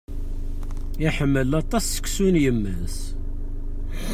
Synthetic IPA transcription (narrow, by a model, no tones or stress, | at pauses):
iħəmːəlɑt̪ˤɑsːə̥kːsunjəmːəns